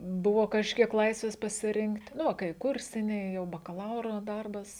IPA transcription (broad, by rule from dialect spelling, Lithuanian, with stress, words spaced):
ˈbʊʋoː kɐʃʲˈkʲiɛk ˈlˠɐɪsʲʋʲeːs pɐsʲɪˈrʲɪŋktʲ ˈnʊ ʋɐ kɐɪ ˈkʊrʲsʲɪnʲɛɪ jɛʊ bɐkɐˈlˠɐʊroː ˈdɐrbɐs